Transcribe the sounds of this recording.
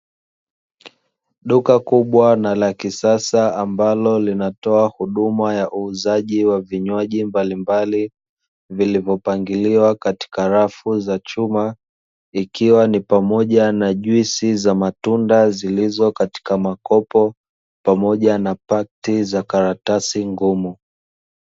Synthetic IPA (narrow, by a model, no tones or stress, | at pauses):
ɗukakuɓwanalakisasaambalɔlinatɔahuɗumajaʔuːzaʄiwaviɲwaʄimbalimbali | vilivjɔpaŋɡiliwakati̥kaɾafuzat͡ʃuma | ikiwanipamɔʄanaʄwisizamatundazilizɔkati̥kamakɔpɔ | pamɔʄanapak̚tizakaɾatasiŋɡumu